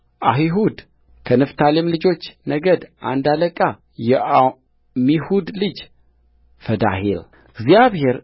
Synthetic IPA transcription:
ʔaɦiɦud̪ | kʰənɨft̪ʰalemlɨd͡ʒo̞t͡ʃːnəɡəd̪ʔa̰nd̪aləkʼa | jɛ | mihud̪lɨd͡ʒ | fəd̪a̰hel | ɨɡzijaβhe̞ɾ

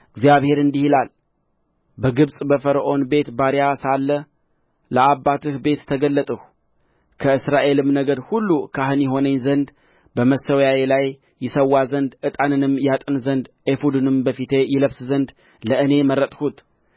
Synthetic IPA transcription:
ɨɡzijaβhe̞ɾɨnd̪ihilal | bəɡɨβsʼbəfəɾəʔo̞nbe̞t̪baɾjasalːə | ləabːat̪ɨhbe̞t̪ʰːəɡəlːət̪ʼəh | kʰəɨsɾaʔe̞lɨmnəɡəɾhulːukʰaɦɨnjɛɦo̞nəɲzənd̪ | bəməsəwjajelajː | ɪsəwːazənd̪ʔɨt̪ʼanɨnɨmjat̪ʼɨnzənd̪ʔefud̪ɨnɨmbəfit̪ʰe̞jɪləβszənd̪ | ləʔɨne̞mərət̪ʼhut̪

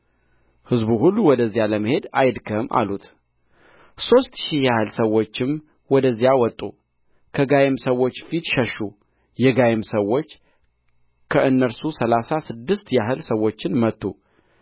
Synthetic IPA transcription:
hɨzbuhulːuwɔd̪əzːijaləməhe̞d̪ajd̪kʰəmʔa̰lut̪ | so̞st̪ʃihjahɨlsəwːo̞t͡ʃːɪm | wɔd̪əzːijawɔt̪ʼːu | kʰəɡajemsəwo̞t͡ʃːfit̪ʃəʃːu | jɛɡajemsəwːo̞t͡ʃː | kʰəʔɨnːəɾsusəlasasɨd̪ːɨst̪jaɦɨlsəwo̞t͡ʃːɪnmət̪ːu

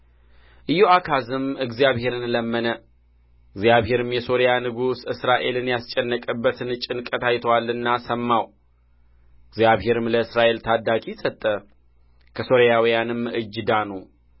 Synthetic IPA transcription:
ʔɨjːoakʰazɨmɨɡzijaβhe̞ɾɨnləmːənə | ɨɡzijaβhe̞ɾɨmjɛso̞ɾijanɨɡusɨsɾaʔe̞lɨnjast͡ʃʼːɛnːəkʼɨbːət̪ɨnɨt͡ʃʼːɪnkʼət̪ajt̪ʰəwalːɨnːasəmːaw | ɨɡzijaβhe̞ɾɨmləɨsɾaʔe̞lt̪ʰad̪akʼisət̪ʼːə | kʰəso̞ɾjawijanɨmɨd͡ʒːd̪anu

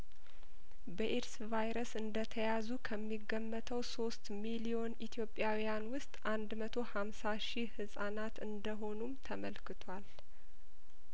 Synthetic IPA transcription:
bəʔeɾsvajɾəsɨnd̪ət̪ʰəjazukʰəmːiɡːəmːət̪ʰəwso̞st̪milio̞nit̪ʰjo̞pʼːjawijanwʊst̪ʼʔand̪mət̪ʰo̞hamsaʃihɨsʼanat̪ɨnd̪əɦo̞numt̪ʰəməlkʰɨt̪ʰwal

